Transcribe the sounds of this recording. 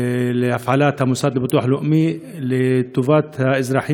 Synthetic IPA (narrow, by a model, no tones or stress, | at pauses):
lɪʔafʕaːlaːt̪hamʊsˤɑːd̪lbɨt̪ˤuːħlʊʔmi | lɪt̪ːʊvaːt̪haʔɪzɾˤɑːħiː